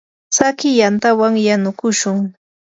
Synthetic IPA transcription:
sakɪjant̪awaŋjanʊkʊʃʊŋ

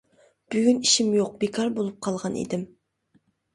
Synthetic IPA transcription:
b̥yɡʲyniʃimjoq̚bekʰɑɾbolˠup̚qʰɑlˠʁɑnḭd̪ɪm

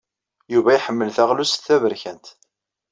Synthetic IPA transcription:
juvæjiħəmːəlθæʁlusθθːævəɾçænt̪

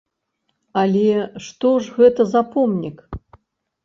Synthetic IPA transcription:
alʲɛʂt̪ɔʐɣɛt̪ɐzapɔmnʲik

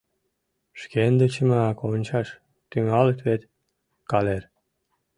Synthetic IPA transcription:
ʃkend̪ə̆t͡ɕə̆mɑkonʲt͡ɕɑʃ | t̪yŋɑlət̪βet̪ | kɑler

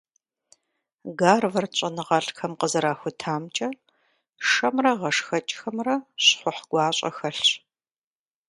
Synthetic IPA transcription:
ɡaːrvɐrt͡ɕʼɐnɨʁɐɬxɐmqəzɐɾaːxʷʊtʰaːmt͡ʃʼɐ | ʂɐmrɐʁɐʂxɐt͡ʃʼxɐmrɐɕχʷʊħɡ̥ʷɑːɕʼɐ̰xɐɬ

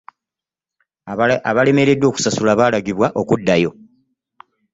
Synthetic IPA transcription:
aβale̞me̞ɾe̞dːo̞ːku̥sasulaβaːlaɡiβwaʔo̞kudːajo̞

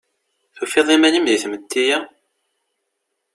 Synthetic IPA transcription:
θufiðˤimænimðiθmət̪ʰːijæ

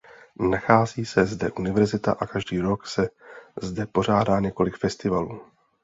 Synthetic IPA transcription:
naxaːziːsɛzdɛʔunɪvɛɾzɪt̪a̰ʔakaʒdiːɾo̞ksɛzdɛpo̞r̝aːdaːɲɛko̞lɪkfɛst̪ɪvaluː

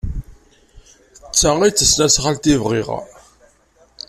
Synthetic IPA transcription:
t͡sːæit͡sːəslæsχalt̪ivʁiʁ̰

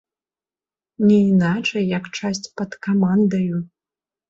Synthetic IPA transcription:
nʲɛinat͡ʂɐjjakt͡ʂasʲt͡sʲpɐt̪kamand̪ɐju

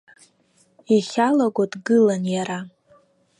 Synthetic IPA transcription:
iχʲalaɡʷadɡɨlanjaɾa

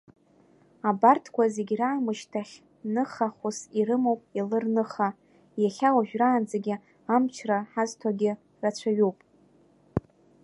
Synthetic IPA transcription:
abartʰkʷʰazeɡʲraːmɨʃtʰaχʲ | nɨχaχʷusirɨmowpʼilɨrnɨχa | jaχʲawaʒᶣraːnd͡zaɡʲɪ | amt͡ʃʰraħaztʰaɡʲɪ | rat͡ɕʷʰaɥuwpʼ

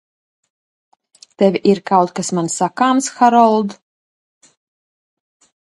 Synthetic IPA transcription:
t̪ɛvʲiʔiɾkawt̪̚kasmansakaːmsxaɾɔlˠd̪

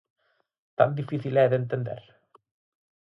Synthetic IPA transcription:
t̪a̰nd̪ifiθilɛðent̪end̪ḛɾ

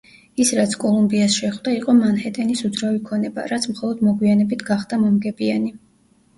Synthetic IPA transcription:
isɾat̪sʰkʼɔlˠumbiasʃɛχwd̪aiqʼɔmanhɛt̪ʼɛnisud̪zɾavikʰɔnɛba̰ɾat̪sʰmχɔlˠɔd̪mɔɡwianɛbit̪ʰɡaχd̪amɔmɡɛbiani

